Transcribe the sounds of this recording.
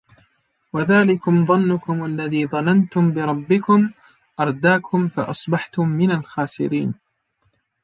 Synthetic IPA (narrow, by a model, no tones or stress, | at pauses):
waðaːlɪkʊmðˤɑnːʊkʊmʔalːaðiːðˤɑnant̪ʊmbɪɾˤɑbːɪkʊm | ʔɑɾˤd̪aːkʰʊmfa̰ʔɑsˤbɑħt̪ʊmːɪnalxaːsɪ̰ɾiːn